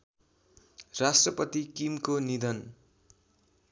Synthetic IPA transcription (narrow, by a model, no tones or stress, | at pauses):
rasʈrʌpʌt̪ikimkonid̪ʌn